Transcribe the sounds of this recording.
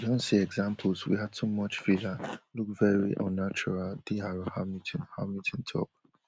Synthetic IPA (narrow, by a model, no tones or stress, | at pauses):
dõnsiɛɡzãmpʰl̩swḭɦadtʰumʌt͡ʃfilaluk̚vɛɹḭʔɔ̃nːat͡ʃuɹald̥iaɹahamitʰɪ̃nhamitʰɪ̃ntʰɔ̰p̚